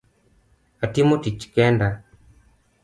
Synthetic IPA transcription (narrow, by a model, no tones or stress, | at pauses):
atimotit͡ʃkɛnda